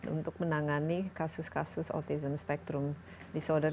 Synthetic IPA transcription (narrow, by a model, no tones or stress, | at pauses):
ṵnt̪ʊk̚mə̃naŋanikasʊskasʊsɔ̰t̪izəmspɛk̚t̪ɾʊm | disɔdə